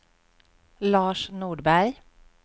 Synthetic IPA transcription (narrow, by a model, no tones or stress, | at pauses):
lɑːʃnuːɖbæɾ